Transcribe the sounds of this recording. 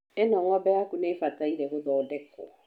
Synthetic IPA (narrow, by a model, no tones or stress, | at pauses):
ɛnɔ̃ŋɔbɛakunefataiɾɛkodɔdɛkːɔ̰